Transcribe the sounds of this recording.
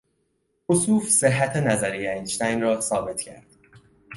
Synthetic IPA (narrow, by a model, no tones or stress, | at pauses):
ʔosuːfseɦːæt̪ʰenæzæɾijeinʃt̪æjnrɒːsɒːbe̞t̪ʰcʰæ̰ɾd̪̥